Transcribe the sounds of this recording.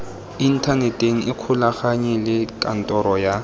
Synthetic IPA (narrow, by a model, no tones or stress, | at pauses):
in̩tʰanɛtʼeŋ̩ɪkʰʊlaχaɲɛlɪkʼan̩tʼɔɾɔja